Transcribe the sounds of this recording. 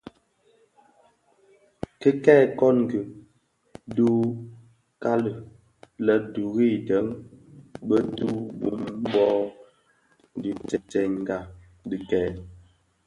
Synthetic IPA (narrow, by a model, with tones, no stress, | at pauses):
kə˦kɛː˦˨kɔ˦nŋ˨ɡi˨ | du˦ | ka˦lə˨ | lə˨du˨ɣi˦˨də˨˦ŋ | bə˦tu˦bṵ˨˦m˦bɔ˦˨ | di˨tɛ˨tɛ˨ŋŋ˦ɡa˦˨ | di˨kɛː˦˨